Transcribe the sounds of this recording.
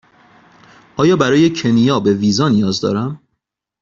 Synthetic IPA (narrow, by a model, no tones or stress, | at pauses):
ʔɒːjɒːbæɾɒːje̞cʰe̞nijɒːbe̞viːzɒːnijɒːzd̪ɒ̰ːɾæm